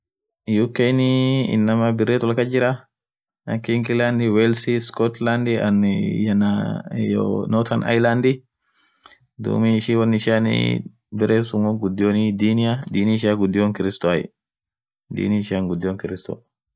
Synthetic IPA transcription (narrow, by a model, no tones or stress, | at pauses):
jukejnɪɪ̰nːɐmɐbɪrːeːt̪wɐlkɐd͡ʒɪɾɐ | ɐkiŋɡɪland̪ɪwɛlsiskɔt̪land̪ɪɐ̰njɐnajo̰nɔːt̪ʰɐnʔɐ̰jland̪ɪ | d̪ṵːmiʃiwɐnːɪʃan̰ | bɪrʔeːsʊmoɡʊd̪ːjoːnɪd̪iːnɪjad̪iːnɪɪʃaːɡʊd̪ːjoŋkɪɾɪst̪oajɛ̰ | d̪ḭːnɪɪʃaŋɡʊd̪ːɪjoŋkɪɾɪst̪o̰